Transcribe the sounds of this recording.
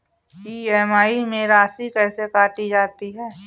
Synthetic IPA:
iːɛːmaːimẽɾaːsikɛːsekaːʈid͡ʒaːt̪iɦɛː

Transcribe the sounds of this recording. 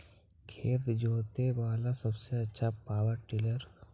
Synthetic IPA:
kʰeːt̪d͡ʒoːt̪ebaːlasɐbseɐtːʃʰapaːwəɾʈɪləɾ

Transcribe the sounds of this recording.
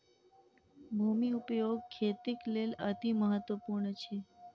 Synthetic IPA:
bʱumiupjoɡ̚kʰːet̪iklelət̪iməɦət̪ʋəpuɾɳət͡ʃʰe

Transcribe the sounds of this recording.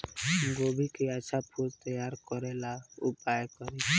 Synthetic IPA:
ɡobʱikeat͡ʃʰapʰult̪əjaɾkɔɾelaupajkəɾit͡ʃʰ

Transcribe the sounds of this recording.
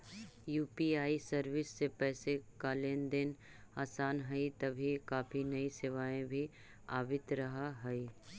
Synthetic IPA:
juːpiaːisɐɾʋɪsːepɛːsekaːleːnd̪ɪn | aːsaːnɦɐit̪ɐbʱikaːfʰinɐisɪʋaːẽbʱi | aːʋɪt̪ɾɐɦaɦɐi

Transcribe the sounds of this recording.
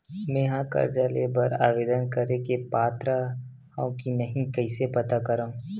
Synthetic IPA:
meːɦãkɐ̰ɾd͡ʒalebɐɾa̰ːʋeːd̪ənkɐɾekepaːt̪ɾa | hãʊ̃kinɐɦĩkɐɪsepɐt̪akɐɾaũ

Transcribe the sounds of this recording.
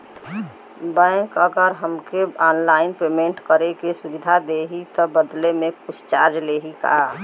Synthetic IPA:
bə̃kəɡəɾɦəmkeɔːnlaɪnpemẽɳʈkəɾekesubid̪ʱad̪eɦit̪ɔbəd̪lemẽkʊsʰt͡ʃaɾd͡ʒleɦika̰

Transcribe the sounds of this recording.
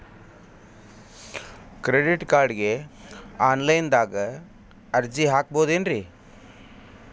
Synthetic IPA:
kɾeɖiʈkaːɾɖɡe | aːnlɐjnd̪aːɡɐ | ɐɾd͡ʒiɦaːk̚boːd̪eːnɾi

